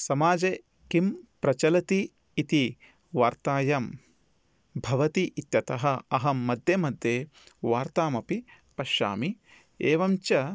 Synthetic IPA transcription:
sɐmaːd͡ʒeː | kimpɾɐt͡ʃɐlɐt̪iː | t̪i | ʋaːɾt̪aːjɐm | bʱɐʋɐt̪iʔit̪jɐt̪ɐɦɐɐɦɐmːɐd̪jemɐd̪jeːʋaːɾt̪aːmɐpi | pɐʃa̰ːmi | eːʋɐmt͡ʃɐ

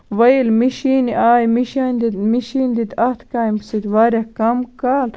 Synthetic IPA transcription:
ʋɐjilmiʃiːniʔaːjmiʃand̪imiʃiːnd̪id̪ɐht̪kaːimsit̪ʋaːɾʲjakɐmkaːl

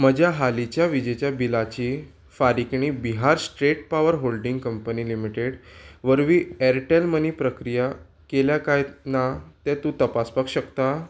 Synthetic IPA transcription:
məd͡ʑʱjaɦalit͡ɕjaʋid͡ʑet͡ɕjabilat͡ɕiː | faɾikɳ̃iːbiɦaɾsʈɾeʈ̚paʋəɾɦolɖĩŋɡkəmpəniːlimiʈeɽʋəɾʋiːɛɾʈelməniːpɾəkɾija | keljakajnat̪ɛ̃t̪ũt̪əpaspakɕəkt̪a

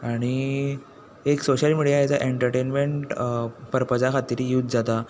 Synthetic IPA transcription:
aɽ̃i | eksoɕəlmiɽijajat͡saʔeɳʈəɾʈenmeɳʈpəɾpəd͡zakʰat̪iɾijut̪̚d͡zat̪a

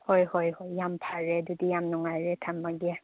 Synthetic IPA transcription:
hɔjhɔjhɔjːampʰaɹɛdudijamnɔŋaɹɛtʰamːaɡɛ

